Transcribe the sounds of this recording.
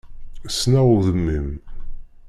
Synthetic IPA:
snæʊðəmːim

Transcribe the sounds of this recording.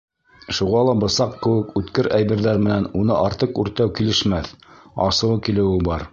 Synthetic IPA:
ʃuʁɑlˠɑbɤ̆sɑqkɘ̆wɘkʉt̪kɘɾæjbɘ̆ɾðæɾmɘ̆nænunɤʔɑɾt̪ɤqʉɾt̪æwkilɘ̆ʃmæθɑ̰sɤ̆wkilɘ̆wɘbɑɾ

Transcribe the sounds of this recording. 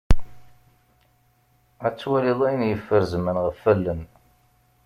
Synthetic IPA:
æt͡sːwæliðˤæjnjəfːəɾzmənʁəfːælːən

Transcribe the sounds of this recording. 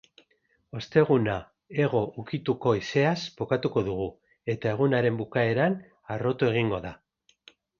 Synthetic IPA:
o̞st̪e̞ɣ̞una | e̞ɣ̞o̞ʔukit̪uko̞ise̞aspo̞kat̪uko̞ðuɣ̞u | e̞t̪ae̞ɣ̞unaɾe̞mbukae̞ɾan | aro̞t̪ue̞ɣ̞iŋɡo̞ða

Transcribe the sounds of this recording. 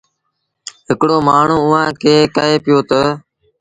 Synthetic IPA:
ɦɪkɽoːmaːɳ̤ũːʊɦãːkʰeːkəɦeːpɪjoːt̪əː

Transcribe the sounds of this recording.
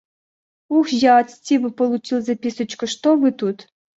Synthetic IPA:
uxjaːt͡stʲibɨpolˠut͡ɕilˠzɐpʲisə̆t͡ɕkə̆ʂt̪ovɨt̪ut̪

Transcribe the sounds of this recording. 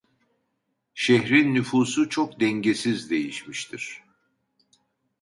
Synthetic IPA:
ʃɛçɾinːyfuːsut͡ʃʰok̚d̪ɛɲɟesizd̪e̞jiʃmiʃt̪ʰiɾ̥

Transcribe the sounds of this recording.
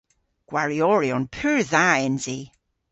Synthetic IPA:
ɡ̥waɹiɔɹiɔnpʰʉːɹðaɛnzi

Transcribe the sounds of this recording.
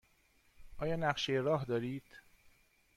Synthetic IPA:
ʔɒːjɒːnæɢʃejeɾɒːɦd̪ɒːɾiːd̪̥

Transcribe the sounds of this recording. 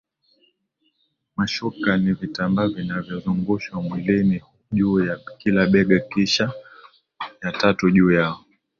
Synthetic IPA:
maʃukanivitambavinavjɔzuŋɡuʃwamwilini | ʄuːjakilaɓɛɡakiʃa | jatatuʄuːjaɔ

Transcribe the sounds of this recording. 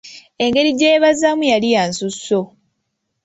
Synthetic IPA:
e̞ŋɡe̞ɾiɟe̞ːβazamujalijansusːo̞

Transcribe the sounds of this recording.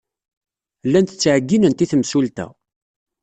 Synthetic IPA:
lːænt̪ət͡sːʕəɡːinənt̪iθəmsult̪æ̰

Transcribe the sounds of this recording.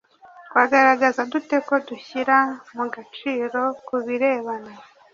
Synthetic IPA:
twaɡaɾaɡazadute̞ko̞duçiɾamuɡat͡ʃiːɾo̞kuβiɾe̞ːβana

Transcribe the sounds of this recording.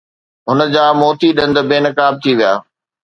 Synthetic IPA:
ɦʊnə̆d͡ʑaːmoːt̪iɗɐ̃nd̪beːnəkaːb̚t̪ʰiʋija̰ː

